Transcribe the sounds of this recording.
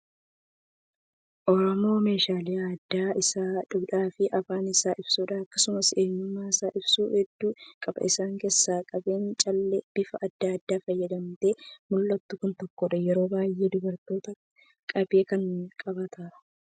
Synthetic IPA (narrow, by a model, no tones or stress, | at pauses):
ʔɔɾɔmo̞ːme̞ːʃaːlɪjaɐd̪ːaːɪsaːᶑʊbᶑaːfɪʔɐfaːnɪsaːʔɪb̥suːᶑɐɐkːɐsʊmɐseːɲːʊmːaːɪsaːʔɪbsuːhɛd̪ːuːkʼɐbɐ̰ʔɪsaːŋke̞ːsːaːkʼɐbeːnt͡ʃʼɐlːɛb̥ɪfɐɐd̪ːaːd̪ːaːfɐjːɐd̪ɐmt̪e̞mʊlːɐt̪ːʊkʊnt̪ɔkːɔᶑɐjɛɾo̞ːbaːjʔe̞ːd̪ʊbɐɾt̪o̞ːt̪ɐ | kʼɐbe̞ːkɐŋkʼɐbɐt̪ʰaːᶑɐ̥